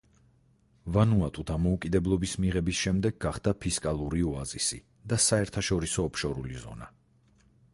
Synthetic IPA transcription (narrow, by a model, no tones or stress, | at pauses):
vanuat̪ʼud̪amɔukʼid̪ɛblˠɔbismiʁɛbisʃɛmd̪ɛɡ̚ɡaχd̪̥apʰiskʼalˠuɾiuazisḭ | d̪asaɛɾt̪ʰaʃɔɾisɔːpʰʃɔɾulizɔ̰na